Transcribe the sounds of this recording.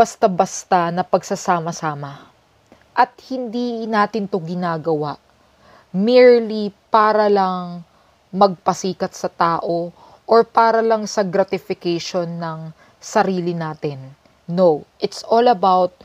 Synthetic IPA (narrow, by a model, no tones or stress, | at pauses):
bɐst̪abɐst̪anɐpɐɡsɐsaːmɐsaːmɐ | ʔɐt̪̚hɪnd̪inaːt̪ɪnt̪o̞ɡɪnaːɡɐwaʔ | miɹlipaːɾɐlɐŋ | mɐɡ̚pɐsiːkɐt̪sɐt̪aːʔo̞ | ʔoɹpaːɾɐlɐŋsɐɡɾat̪ɪfɪkɛjʃonːɐŋ | sɐɾiːlɪnaːt̪ɪnː | owʔɪt̪sʔoːlɐbawt̪̚